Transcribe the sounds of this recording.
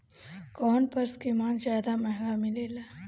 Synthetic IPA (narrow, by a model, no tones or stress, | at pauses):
kɔːnpɐɾskimaːnzjaːd̪amɛɦɡamɪleːla